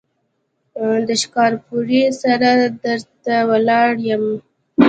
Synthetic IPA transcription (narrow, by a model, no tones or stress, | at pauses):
d̪əʃkɑɾpuɾisaɾad̪əɾt̪awəlɑɽjəm